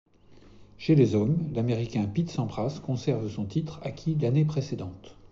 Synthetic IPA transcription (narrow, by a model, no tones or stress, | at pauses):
ʃelezɔmlameʁikʲɛ̃pit̪sɑ̃bʁaskɔ̃sɛʁvəsɔ̃t̪it̪χa̰kʲʰilanepχesed̪ɑ̃t̪